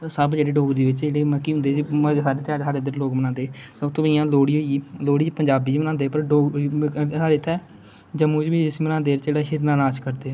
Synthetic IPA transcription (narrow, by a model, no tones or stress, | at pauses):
əɾsəbd͡ʒeːɽeːɖoːɡɾd̪eːʋɪt͡ʃd͡ʒeːɽeːməkːiːɦʊ̃nd̪eːd͡ʒsaːɾeːt̪ɪaːɾsaːɾeːd̪eɾloːkmənãːnd̪eːtːʊt̪õːbiːãːloːɽiːɦoːiiːloːɽiːt͡ʃpəɲd͡ʒaːbiːiːmənãːnd̪eːpəɾɖoː | saːɾeːt̪ʰɛː | d͡ʒəmːũːt͡ʃbiːd͡ʒɪsmənãːnd̪eːɾd͡ʒeːɽaːɦɪɾnaːnaːʃkəɾd̪eː